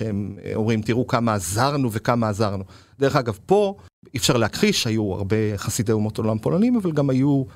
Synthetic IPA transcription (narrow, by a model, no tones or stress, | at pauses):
ʃeemo̞mʁimt̪iʁukamaːzaʁnuvekamaːzaʁnu | d̪e̞ʁeχaɡavpo̞ | ifʃaʁleakχiʃeajua̰ʁbe̞χasid̪ejumo̞to̞lampolanimavalɡamaju